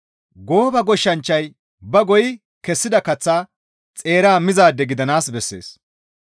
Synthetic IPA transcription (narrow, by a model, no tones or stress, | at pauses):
ɡo̞ːbɐɡɔʃːɐnt͡ʃːɐj | bɐɡɔjɪ | kɛsːɪd̪ɐkɐt͡sːaː | t͡sʼe̞ːɾaːmɪzaːd̪ːɛɡɪd̪ɐnaːsbɛsːe̞̰ːs